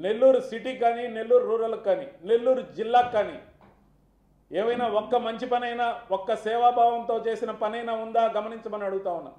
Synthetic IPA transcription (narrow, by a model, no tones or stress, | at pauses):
ne̞lːuːɾusiʈiːkaːniːne̞lːuːɾuɾuːɾɐlɐkːaːnḭːne̞lːuːɾud͡ʒilːaːkːaːnḭː | eːʋɐjnaːɔkːɐmɐɲt͡ʃipɐnɐjnaːɔkːɐsɛːʋaːbʱaːʋɐnt̪o̞ːt͡ʃe̞ːsinɐpɐnɐjnaːund̪aːɡɐmɐniɲt͡ʃɐmɐniɐɽuɡut̪aːunːa̰ː